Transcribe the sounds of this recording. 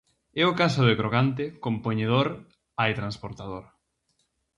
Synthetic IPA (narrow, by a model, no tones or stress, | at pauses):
ɛokasoðekɾoɣant̪ekompoɲeð̞oɾ | ajt̪ɾanspoɾt̪að̞oɾ